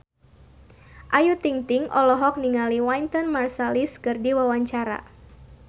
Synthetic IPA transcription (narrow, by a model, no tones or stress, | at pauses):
ʔajut̪iŋt̪iŋʔɔlɔɦɔk̚niŋaliwant̪ɔnmarsaliskɨrdiwawaɲt͡ʃaɾa̰